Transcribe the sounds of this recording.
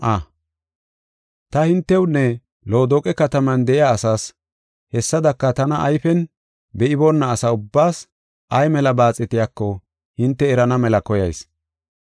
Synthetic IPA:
ʔɐ | t̪ɐhɪnt̪ːɛwnːɛ | loːd̪oːkʼɛkɐt̪ɐmɐnd̪ɛʔɪjaːsaːs | hɛsːɐd̪ɐkːɐt̪ɐnɐʔɐjfɛn | bɛʔɪbonːɐːsɐʊbːaːs | ʔɐjmɛlɐbaːt͡sʼːɪt̪ɪjakːɔ | hɪnt̪ːɛːɾɐnɐmɛlɐkɔjɐjs

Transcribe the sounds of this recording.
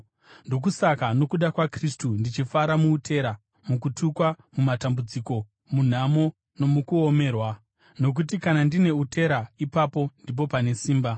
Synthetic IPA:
ndo̞k̬usakano̞kuɗakwakristundit͡ʃifaɾamuːtʰe̞ɾa | mukutʰukwa | mumatambud͡ziko̞ | mun̤amo̞ | no̞mukuome̞ːrwa | no̞k̬ut̬ikanandine̞utʰe̞ɾaipapo̞ndip̬o̞pane̞siːmba

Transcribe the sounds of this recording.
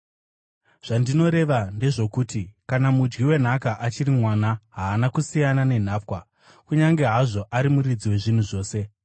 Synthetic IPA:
ʐ̥andino̞ɾe̞ʋande̞ʐo̞kuːtikanamud͡ʒɡiwe̞n̤akaʔat͡ʃirimwanaɦaːnakusijanane̞n̤aːpkwa | kuɲaŋɡe̞ɦaʐo̞ʔaɾimuɾid͡ziwe̞ʐin̤uʐo̞ːse̞

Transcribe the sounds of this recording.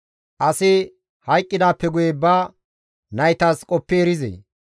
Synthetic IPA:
ʔɐsɪ | hɐjkʼːɪd̪aːpːɛɡʊjebaː | nɐjt̪aːskʼɔpːeːɾɪzḛ

